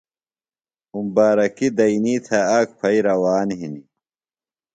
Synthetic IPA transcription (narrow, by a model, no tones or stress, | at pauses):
umbaːɾɐkid̪ɐiniːt̪ʰɐakpʰɐjɾɐwaːnɦini